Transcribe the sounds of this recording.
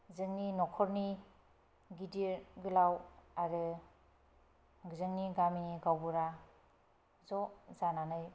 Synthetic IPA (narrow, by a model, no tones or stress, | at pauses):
zɯŋninɔkʰɔɾni | ɡidiɾɡɯlawaɾɯ | ɡɯzɯŋniɡaminiɡawbuɾa | zɔzananɯj